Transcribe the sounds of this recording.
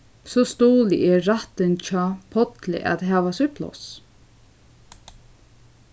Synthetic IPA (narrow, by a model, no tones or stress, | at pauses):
sɔst̪oːlɪ̰ʔɛːaht̪ɪnt͡ʃʰɔːpʰɔt̪lɪ̰ʔæ̰t̪ɦæːʋasʏplɔ̰s